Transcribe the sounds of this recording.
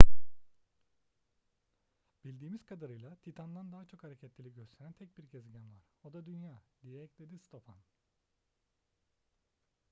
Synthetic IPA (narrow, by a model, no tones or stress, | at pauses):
b̥ilʲd̪iːmiz̥kʰad̪aɾɯjlˠat̪ʰit̪ʰand̪and̪aɦat͡ʃʰo̞khaɾecʰɛt̪lʲilʲiɟøst̪ʰeɾænt̪ʰɛc̚biɾɟɛzɟænvaɾ̥o̞d̪ad̪ynjaːd̪ijɛɛclʲed̪ist̪ʰo̞pʰan